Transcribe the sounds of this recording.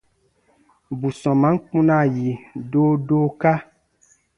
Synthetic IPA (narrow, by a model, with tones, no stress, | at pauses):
bu˨sɔ̃˨mã˨˦ŋ˦k͡pũ˦nã˦˨ji˨doː˦do˦ka˦